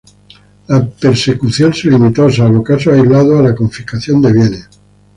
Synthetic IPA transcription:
lape̞ɾse̞kuθjo̞nselimit̪os̬alβo̞kasoajzlaðoalako̞ɱfikaθjond̪e̞β̞jene

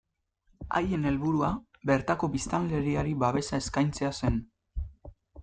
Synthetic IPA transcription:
a̰je̞ne̞lβuɾua | be̞ɾt̪ako̞bist̪aŋɡe̞ɾiaɾiβaβ̞e̞sae̞skajnt͡se̞ase̞n

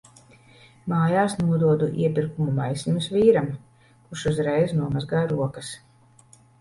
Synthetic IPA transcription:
maːjaːsnuɔd̪uɔd̪uʔḭɛpiɾkumumajsʲimʲusvʲiːɾam | kuʃuzɾɛjznuɔmazɡaːjɾuɔkɐs

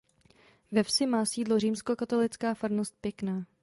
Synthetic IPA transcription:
vɛfsɪmaːsiːdloriːmsko̞kat̪o̞lɪt͡skaːfaɾnost̪̚pjɛknaː

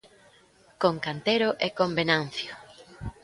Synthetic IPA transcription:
koŋkant̪eɾoʔekombenan̟θjo

